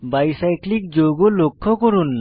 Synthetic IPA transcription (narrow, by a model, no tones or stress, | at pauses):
bajsajklik̚zoɡɔlokʰːɔkɔɹunːa